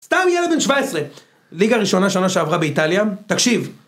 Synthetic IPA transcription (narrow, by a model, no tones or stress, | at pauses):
st̪amjeled̪̚benʃvaesʁe | liɡaʁiʃo̞naʃonaʃeavʁabeit̪aljat̪akʃiv